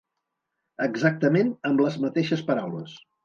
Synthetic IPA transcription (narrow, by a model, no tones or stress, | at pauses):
əɡzak̚t̪əmenəmbləzmət̪eʃəspəɾawləs